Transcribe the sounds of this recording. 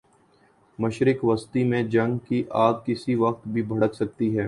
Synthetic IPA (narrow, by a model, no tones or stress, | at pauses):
mɐʃɾɪkʋɐst̪imẽd͡ʒɐ̃ŋɡkiʔaːd̪̚kɪsiʋɐqt̪bʱibʱɐɽəksɐk̚t̪iɦɛː